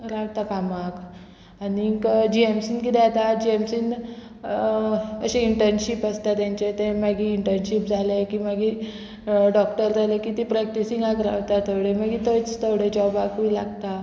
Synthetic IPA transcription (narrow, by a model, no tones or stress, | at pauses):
ɾawt̪akamak | anikd͡ʑiemsiːnkit̪ɛat̪ad͡ʑiemsin | əɕeiɳʈəɾnɕipəst̪at̪jãɲt͡ɕet̪eməɡiːɳʈəɾnɕipd͡zʱalekiməɡi | ɖɔk̚ʈəɾd͡zʱalekit̪ipɾɛk̚ʈisiŋɡakɾa̰ʋt̪at̪ʰəwɽemaɡit̪ət͡st̪əwɽed͡ʑɔbakula̰ɡt̪a